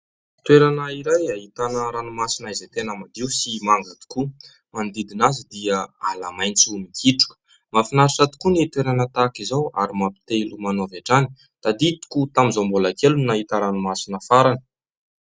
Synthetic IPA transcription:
t̪weɾanəiɾajaɦit̪anəɾanumasinaizet̪enamad̪iusimaŋɡat̪i̥ku | mand̪id̪inazid̪iəalamajnt͡sumikʰiʈ͡ʂu̥kə̥ | mafinaɾiʈ͡ʂat̪u̥kunit̪weɾanət̪akizawa̰ɾimapi̥t̪elumanoavaʈ͡ʂani̥ | t̪ad̪it̪u̥kut̪amizombolakelunaɦit̪aɾanumasinəfaɾanə̥

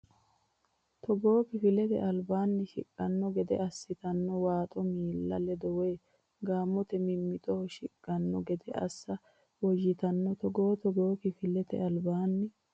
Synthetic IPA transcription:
t̪ɔɡoːkɪfɪlɛt̪ɛ̰ʔɐlbaːnːɪʃɪ̰kʼːɐnːɔɡɛd̪ɛ̰ʔɐsːɪt̪ɐnːɔwaːt̪ʼɔmiːlːɐ̰lɛd̪ɔweː | ɡaːmːɔt̪ɛmɪmːɪt̪ʼɔɔʃɪkʼːɐnːɔɡɛd̪ɛʔɐ̰sːɐ | wɔʒɪt̪ɐnːɔt̪ɔɡoːt̪ɔɡoːkɪfɪlɛt̪ɛ̰ɐlbaːnːɪ

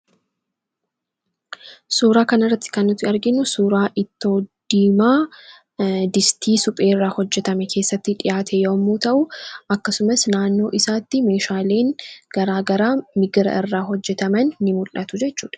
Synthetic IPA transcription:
suːɾaːkɐnɪrːɐt̪ːɪ̥kɐnːʊt̪ːɪɐɾɡɪnːʊsuːɾaːʔɪt̪ːoːd̪̥iːmaː | d̪ɪst̪ʰiːsʊpʼe̞ːrːaːhɔd͡ʒːɛt̪ɐmɛkʰe̞ːsːɐt̪ːɪᶑɪjaːt̪ʰɛjoːmːuːt̪ɐʔʊʔɐkːɐsʊmɐsnaːnːo̞ːʔɪsaːt̪ːɪme̞ːʃaːleːŋɡ̥ɐɾaːɡɐɾaːmɪɡɾɐ̰ʔɪrːaːɦɔd͡ʒːɛt̪ɐmɐnːɪmʊlɐt̪ʊd͡ʒɛt͡ʃːuːᶑɐ̥

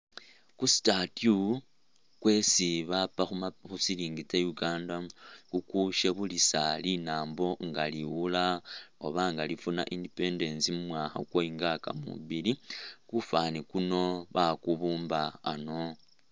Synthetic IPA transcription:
kusi̥tatju | kwe̞siβapaxuaxusiliːŋɡit͡sejuɡaːndakukuʃeβulisalinaːmbo̞ŋɡaliwulaoβaŋɡalifuna̰ʔindipende̞nsimumwaxa̰kwoiŋɡaka̰mṵβilikufanikuno̞βakuβuːmbaːno̞

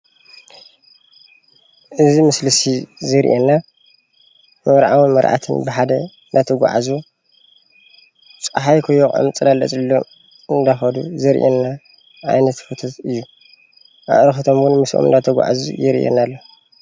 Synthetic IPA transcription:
ʔɨzimɨslɨsizɨɾʔenːa | mɐβɾʕawinmɐɾʔa̰t̪ʰɨ̰nbɨħad̪ɐ | nd̪at̪ʰɐɡʷa̰ʕa̰zu | t͡sʼħajkʰojːokʼa̰mt͡sʼɨlalːɐ̰t͡sʼlːo | ɨnd̪axɐd̪uzɨɾʔenːa | ʕa̰jnɐt̪fɨt̪ʰot̪ɨjːu | ʔa̰ʔɾɨxɨt̪ʰomɡɨnmɨsʔo̰mɨ̰nd̪at̪ʰɐɡʷa̰ʕa̰zṵjɪɾʔḛnalːo

